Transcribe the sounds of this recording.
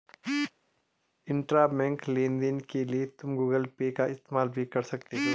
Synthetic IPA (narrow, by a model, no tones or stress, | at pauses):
ɪ̃ɳʈɾabɛ̃ŋklẽːnd̪ɪnkeliet̪ʊmɡuːɡəlpeːkaɪst̪eːmaːlbʱikɐɾsɐk̚t̪eɦoː